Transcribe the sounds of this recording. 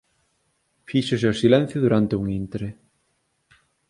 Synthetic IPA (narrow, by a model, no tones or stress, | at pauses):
fiːsʏsɛsilɛnθjʏðuɾant̪ewŋint̪ɾɪ